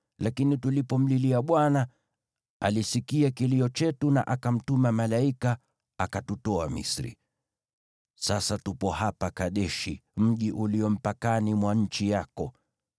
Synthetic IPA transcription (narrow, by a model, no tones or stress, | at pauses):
lakinitulipɔm̩liliaɓwana | a̰lisikiakiliɔt͡ʃɛtuna̰ʔakam̩tumamalaika | akatutɔamḭsɾḭ | sasatupɔhapakaɗɛʃim̩ʄiʔuliɔm̩pakanimwaɲ̩t͡ʃijakɔ